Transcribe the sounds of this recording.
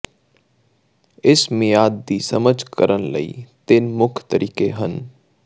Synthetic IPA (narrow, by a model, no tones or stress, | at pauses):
ɪsmẽjaːd̪ːisəməd͡ʒʱkə̰ɾənlə̰ḭːt̪ɪnmʊkʰt̪əɾʔiːkeɦən